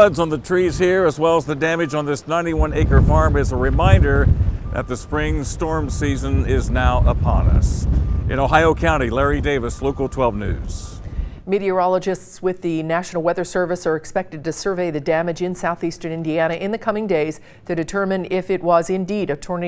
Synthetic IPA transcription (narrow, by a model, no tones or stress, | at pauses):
ʌdzn̩ðɨtʰɹ̥iz̥hiɹəzwɛlˠəzðɨdæmɨd͡ʒn̩ðɪsnãɪ̃ntiwʌ̃neɪkə˞fɑɹmɨzəɹɨmãɪ̃ndə˞ðɨ̰t̪̚ðɨspɹɪ̃ŋstɔɹmsizə̃nɪznaʊʔəpʰɑ̰̃nʌ̰sʔɨ̰̃ñoʊɦaɪoʊkʰãʊ̃ɾ̃ilɛɹideɪvɨsloʊkl̩ˠtʰw̥ɛlˠvnʉ̰z̥miɾiə˞ɑlˠəd͡ʒɨstswɪðɨnæʃn̩l̩ˠwɛðə˞sɜ˞vɨsə˞ɨkspɛk̚tɨd̚tɨsə˞veɪðɨdæmɨd͡ʒɨ̃nsaʊθistə̃˞nɪ̃ndiæɾ̃ɨʔɨ̃nðɨkʰʌmɪ̃ŋdeɪz̥ | tʰɨdɨtʰɜ˞mɨ̃nɪfɪt̚wʌzɨ̃ndiɾɨtʰɔɹn